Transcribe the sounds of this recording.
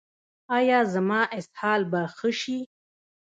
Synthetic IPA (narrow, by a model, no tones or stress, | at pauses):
ɑjɑzamɑːʔɪshɑːlbaxəʃi